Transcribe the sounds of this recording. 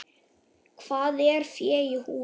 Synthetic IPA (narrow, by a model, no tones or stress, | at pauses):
kʰv̥aːðɛɾ̥fjɛːihuː